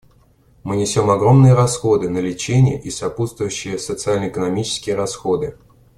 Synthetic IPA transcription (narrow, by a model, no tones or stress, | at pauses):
mɨnʲɪsʲomɐɡɾo̞mnɨjəɾɐsxo̞d̪ɨnəlʲɪt͡ɕenʲɪjə̰ʔisɐput̪st̪vʊjʉɕːɪjəsət̪sɨalʲnəɪkənɐmʲit͡ɕɪ̥skʲɪjəɾɐsxo̞d̪ɨ